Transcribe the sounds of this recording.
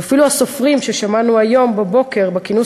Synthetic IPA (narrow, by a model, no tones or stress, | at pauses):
afiluaso̞fʁimʃeʃamanuajo̞mbabo̞ke̞ʁbekinu